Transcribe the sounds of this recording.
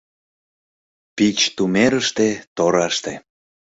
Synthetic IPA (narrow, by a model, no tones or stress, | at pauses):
pit͡ɕt̪umeɾəʃt̪et̪oɾɑʃt̪e